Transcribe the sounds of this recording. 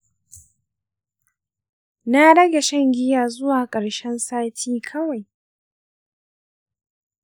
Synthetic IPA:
na˦ɽɐ˦ɡʲa˨ʃɐ˦ŋɡʲɪ˦jaː˨zʊ˦waː˨kʼɐ˨ɽʃɛ˦nsaː˦tʰiː˦kʰɐ˦wa˨j

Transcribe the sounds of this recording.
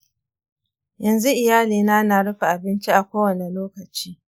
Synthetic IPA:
jɐ˨nzu˦ʔɪ˨jaː˦liː˨naː˦naː˨ɽʊ˦ɸa˨ʔa˨bɪ˦nt͡ʃi˦ʔa˨kʷoː˦wɐ˨ne˨loː˦kɐ˨t͡ʃiː˦

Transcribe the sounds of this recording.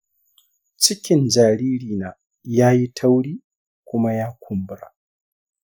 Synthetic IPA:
t͡ʃɪ˦kʲɪ˨nd͡ʒaː˨ɾiː˦ɾiː˨naː˨ | jaː˦ji˦tʰa˦wɽiː˦ | kʷʊ˦ma˦jaː˦kʷʰʊ˨mbɾa̰˨

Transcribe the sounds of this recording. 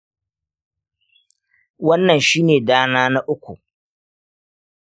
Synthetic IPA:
wɐ˦nːɐ˨nʃiː˦neː˨daː˦naː˦na˦ʔʊ˦kʷṵ˨

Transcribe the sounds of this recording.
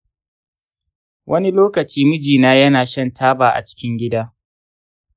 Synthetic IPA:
wʔɐ˦ni˦loː˦kɐ˨t͡ʃiː˦mʊ˦d͡ʒiː˨naː˦jɐ˦naː˨ʃɐ˦˨ntʰaː˦baː˨ʔa̰˨t͡ʃɪ̥˦kʲɪ˦ŋɡʲɪ˦daː˦

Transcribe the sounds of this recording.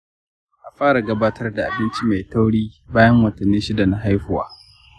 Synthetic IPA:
ʔa˨ɸaː˦ɽa˨ɡɐ˦baː˦tɐ˦rda˨ʔa̰˨bɪ˦nt͡ʃi˦ma˨jta˦wɽiː˦baː˦jɐ˦ŋwɐ˨tɐ˨nːi˦ʃɪ˦da˨na˦ɦa˦jɸʊ˦wa̰ː˦

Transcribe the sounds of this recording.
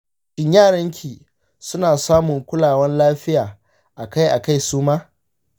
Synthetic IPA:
ʃɪ˦ɲjaː˦˨ɽɐ˦ŋkʲʰiː˨ | sʊ˦naː˨saː˦mʊ˨ŋkʷʊ˦laː˨wɐ˦nlaː˦ɸɪ˦jaː˨ | ʔa˨ka˦jʔa˨ka˦jsuː˦maː˦

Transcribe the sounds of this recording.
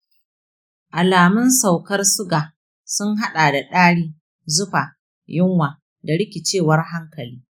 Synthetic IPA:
ʔa˨laː˨mɪ˦nsa˨wkɐ˦rsʊ˦ɡaː˨ | sʊ˦ŋɦa˦ɗaː˨da˨ɗaː˦ɽiː˦ | zʊ˦ɸaː˨ | jɪ˦ŋwaː˨ | da˨ɽɪ˦kʲɪ˨t͡ʃeː˦˨wɐ˦rɦa˦ŋkɐ˨liː˦

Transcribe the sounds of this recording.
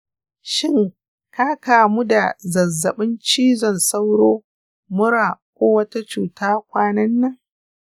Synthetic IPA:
ʃɪ˦˨ŋ | ka˦kaː˨mu˦da˨zɐ˨zːɐ˨ɓɪ˦nt͡ʃiː˦zɔ˨nsa˦wɽoː˦ | mʊ˦ɽaː˨kʷoː˦wɐ˦ta˦t͡ʃuː˨taː˦kʷaː˦nɐ˦nːɐ˦ŋ

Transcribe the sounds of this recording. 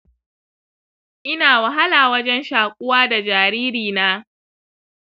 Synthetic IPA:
ʔɪ˦naː˨wɐ˨ɦa˦laː˨wɐ˦d͡ʒɛ˦nʃaː˨kʷʼʊ˦waː˦da˨d͡ʒaː˨ɾiː˦ɾiː˨naː˦

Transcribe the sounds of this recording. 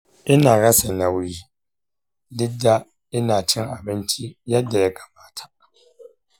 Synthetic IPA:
ɪ˦naː˨ɣa˦sɛ˨na˨wu˨d͡ʒi˨ | lɪ˦da˦ | ɪ˦naː˨t͡ʃʰɪ˦ŋa˨bɪ˦n˦tʰi˦ja˦dɛ˨lɛ˨ɡa˨baː˨tʰḁ˨

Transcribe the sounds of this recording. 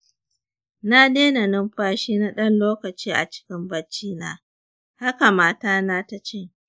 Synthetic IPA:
na˦deː˦na˨nɪ˦mɸaː˦ʃiː˦na˦ɗɐ˦nloː˦kɐ˨t͡ʃiː˦ʔa̰˨t͡ʃɪ̥˦kʲɪ˦mbɐ˦t͡ʃːiː˦naː˦ | ha˦ka˨maː˦taː˦na˦ta˦t͡ʃɪ˦

